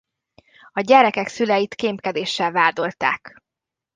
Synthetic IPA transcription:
ɒɟɛɾɛkɛksylɛjit̪keːmpkɛd̪eːʃːɛlvaːd̪o̞lt̪a̰ːk

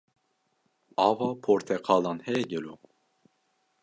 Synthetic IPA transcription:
ɑːvɑːpʰoːɾt̪ʰɛqʰɑːlɑnhɛjɛɟəlu

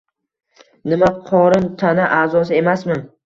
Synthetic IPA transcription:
nɪmaqʰɒɾɪnt̪ʰanaʔaːzɒsɪe̞masmɪn

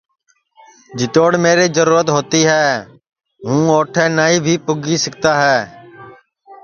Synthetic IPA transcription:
d͡ʒɪt̪oːɽmeːɾeːzəɾuːɾət̪ɦoːt̪iːɦɛː | ɦũːoːʈʰɛ̃ːnaːiːbʱiːpʊɡiːsək̚t̪aːɦɛː

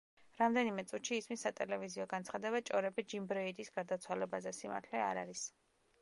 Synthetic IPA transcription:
ɾamd̪ɛnimɛt̪sʼut̪ʃiːsmisːat̪ʼɛlɛviziɔɡant̪sʰχad̪ɛbat͡ʃʼɔɾɛbɛd͡ʒimbɾɔid̪isɡaɾd̪at̪sʰwalɛbazɛsima̰ɾt̪ʰlɛaɾaɾis

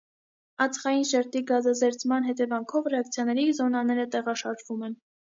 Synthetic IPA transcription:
ɑt͡sʰχɑjinʃɛɾt̪iɡɑzɑzɛɾt͡sʰmɑnɦɛt̪ɛvɑŋkʰɔvrɛɑk̚t͡sʰjɑnɛɾizɔnɑnɛɾət̪ɛʁɑʃɑɾʒvumɛn

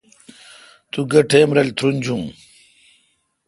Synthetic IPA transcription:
t̪uɡɐʈʰeːmɾɐlt̪ʰɾunʲd͡ʑũː

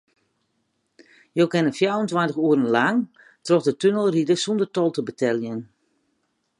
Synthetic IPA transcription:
jowkɛnəfjavəntwantəxuəɾən̩laŋ | trɔxdətønəlˠridəsundətɔlˠtəbətʰɛlˠjən

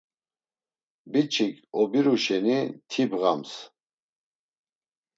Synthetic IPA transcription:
bit͡ʃʼʰikʼɔbiɾuʃɛnit̪ʰibʁa̰ms

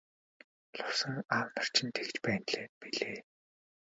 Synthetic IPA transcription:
ɮʊwsə̆ŋaːwnə̆r̥t͡ɕʰɪ̆nt̪ʰekt͡ɕpæːnɮeːpiɮeː

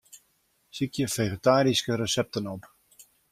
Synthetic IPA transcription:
sikjəfeχetaːɾiskəɾəsɛp̚tənɔp

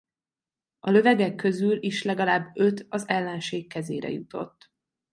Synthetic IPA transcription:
ɒlø̞vɛɡɛkːø̞zyliʃlɛɡɒlaːbːø̞t̪ɒzɛlːɛnʃeːkːɛzḛːɾɛ̰jut̪o̞̰t̪ː

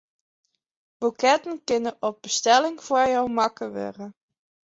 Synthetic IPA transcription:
b̥ukɛtənkɪnəɔp̚bəstɛlɪŋv̥ʊːɹjɔwmɑkəʋø̰rə

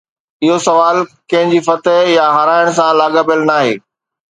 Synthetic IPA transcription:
ɪɦosɐʋaːlkɐ̃ɦɪ̃ɲd͡ʑiːfɐt̪əɦjaɦɐɾaːɪɽ̃sãlaːɡəbɪəlnaːɦeː

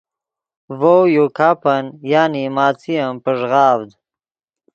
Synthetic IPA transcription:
vowjukʰaːpɐnjaːnimaːt͡sijɐmpəʐʁaːvd̪

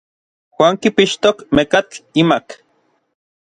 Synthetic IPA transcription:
xwaːŋkipiʃt̪okmekat͡ɬimak

